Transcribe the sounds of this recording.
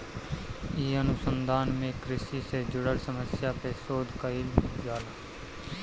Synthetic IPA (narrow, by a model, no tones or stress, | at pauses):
iːənʊsənd̪ʱaːnmẽkɾɪsiːseːd͡ʒʊɽəlsəməsjaːpeːsoːd̪ʱkəild͡ʒaːlaː